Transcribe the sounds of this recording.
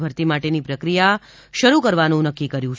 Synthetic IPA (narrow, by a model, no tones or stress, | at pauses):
bʱəɾt̪imaʈenipɾəkɾija | ʃəɾukəɾʋanũnəkːikəɾjũ